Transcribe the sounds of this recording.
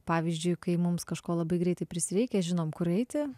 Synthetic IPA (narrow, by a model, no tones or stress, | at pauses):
pɑːʋʲizʲd͡ʒʲʊɪkɐɪmʊmskɐʃkoːlˠɐbɐɪɡɾʲɛɪt̪ɐɪpʲɾʲɪsʲɪɾʲɛɪkʲɛʒʲɪnoːmkʊɾɛɪt̪ʲɪ